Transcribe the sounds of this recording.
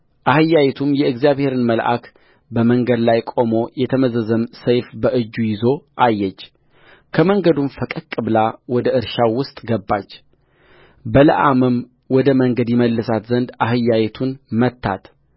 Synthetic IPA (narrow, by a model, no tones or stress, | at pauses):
ʔahɨjːajɛt̪ʰumjɛɨɡzijaβhe̞ɾɨnməlʔa̰k | bəməŋɡəd̪lajkʼo̞mo̞jɛt̪ʰəməzəzəmsəjfbəʔɨd͡ʒːujɪzo̞ʔajːɛt͡ʃː | kʰəməŋɡəd̪unfəkʼəkʼːɨβlawɔd̪əɨɾʃawʊst̪ʼɡəbːat͡ʃː | bələ̰ʔamɨm | wɔd̪əməŋɡəd̪jɛməlːɨsat̪zənd̪aɦɨjːajɛt̪ʰunmət̪ʰːa̰t̪